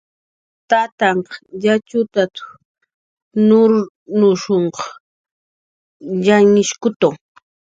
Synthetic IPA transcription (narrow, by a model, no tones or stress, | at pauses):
t̪at̪aɴqɑjat͡ʃʊt̪at̪ʊ̥ | nʊɾ | nʊʃoɴqɑ | ʎaŋɪʃkʊt̪aw